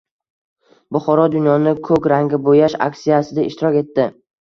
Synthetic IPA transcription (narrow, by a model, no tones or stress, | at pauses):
bʊχɒɾɒd̪ʊnjɒnɪkʰɵkʲɾaŋɡʲɪbojaʃa̰kʲsijasɪd̪aɪ̰ʃt̪ɪɾɒkʲe̞t̪ːɪ